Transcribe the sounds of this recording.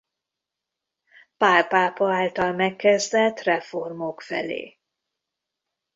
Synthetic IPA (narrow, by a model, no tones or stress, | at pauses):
paːlpaːpɒaːlt̪ɒlmɛkːɛzd̪ɛlt̪rɛfo̞rmo̞kfɛ̰lḛː